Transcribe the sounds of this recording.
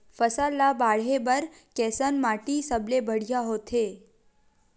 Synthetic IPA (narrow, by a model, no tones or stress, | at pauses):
fəsalːabaɭ̤ebəɾ | kɛsənmaʈisəblebʱəɽ̤jaɦot̪ʰe